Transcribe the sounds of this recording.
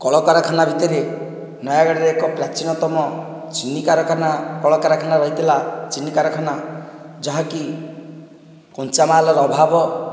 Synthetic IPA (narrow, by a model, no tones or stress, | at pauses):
kɔɭɔkaɾakʰanabʱit̪ɔɾe | nɔjaɡaɽiɾeːkɔpɾat͡ʃinɔt̪ɔmɔ | t͡ʃinːikaɾɔkʰanakɔɭɔkaɾakʰanaɾɔɦit̪ʰilat͡ʃinːikaɾɔkʰanad͡ʒɔɦaki | kɔnt͡ʃamaːlɔɾɔɔbʱabɔ